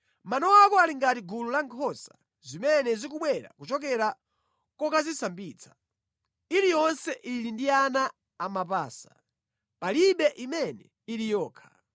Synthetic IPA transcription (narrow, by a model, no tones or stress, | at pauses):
manɔwakɔaliŋɡatiɡululaŋkʰɔsa | zimɛnɛzikuɓwɛɾa̰kut͡ʃɔk̬ɛɾa | kɔkazisambiːt͡sʰḁ | ilijɔnsɛʔilindianaː | map̬aːsḁ̰ | paliɓɛʔimɛnɛ | ilijɔːkʰḁ